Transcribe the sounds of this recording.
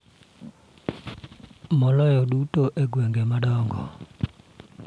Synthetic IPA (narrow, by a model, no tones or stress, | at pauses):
mɔlɔjɔɗutoʔeɡweŋɡemaɗɔŋɡɔ̰